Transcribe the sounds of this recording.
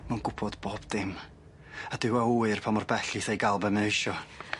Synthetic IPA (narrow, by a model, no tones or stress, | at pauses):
manɡʊbʰɔdboːb̥dɪm | adɪwauɨrpʰamɔrbɛɬiθejɡalˠbɛmɛɪʃɔ